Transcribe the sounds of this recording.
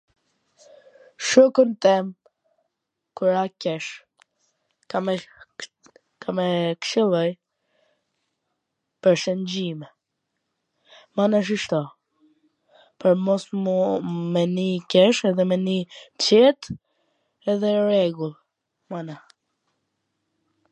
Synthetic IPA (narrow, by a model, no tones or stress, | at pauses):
ʃukunt̪ɛm | kuɾakɛʃ | a | kamɛkʃilˠɔj | pəɾʃənd͡ʑimɛ | manaʃ̬iʃt̪ɔ | pɔɾmɔs | mɛnikɛʃɛðɛmɛnit͡ɕɛt̪ | ɛðɛɾɛɡulˠ | mana